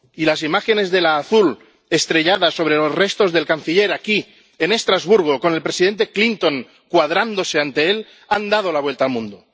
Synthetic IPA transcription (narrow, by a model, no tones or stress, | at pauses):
ilas̬imaxe̞ne̞zðe̞laːθul | e̞st̪ɾe̞ʎaðaso̞β̞ɾelo̞sre̞st̪o̞zðe̞lkan̟θiʎe̞ɾaki | ene̞st̪ɾazβuɾɣ̞oko̞ne̞lpɾesiðe̞nt̪e̞klint̪o̞ŋ | kwaðɾand̪o̞se̞ant̪e̞el | and̪að̞o̞laβwe̞lt̪aːlmũnd̪o